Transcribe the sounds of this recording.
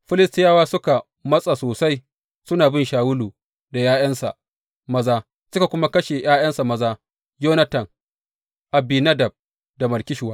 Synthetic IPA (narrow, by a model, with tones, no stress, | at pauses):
ɸɪ˦lɪ˦stɪ˦jaː˦waː˦sʊ˦ka˨ | mɐ˦sʼa˨soː˨sa˦j | sʊ˦naː˨bɪ˦nʃaː˨wʊ˦luː˨ | da˨jaː˦jɐ˦nsa̰˨ | mɐ˦zaː˦ | sʊ˦ka˨kʷʊ˦ma˦kɐ˦ʃe˨j̰ʔaː˦jɐ˦nsa˨mɐ˦zaː˦ | joː˦nɐ˦tɐ˨ŋ | ʔa˨biː˨nɐ˦dɐ˨b̚ | da˨mɐ˨rkʲɪ˦ʃʊ˨waː˦